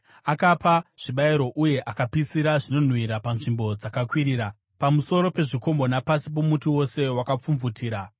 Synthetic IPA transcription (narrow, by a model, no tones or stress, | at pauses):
akapaʐ̥iɓaiɾo̞ʔuje̞ʔakapisiɾaʐino̞n̤wiɾapanʐimbo̞d͡zakakwiɾiːɾa | pamuso̞ɾo̞pe̞ʐiko̞mbo̞napasip̬omutiwo̞se̞wakap͡fuɱvutʰiːɾa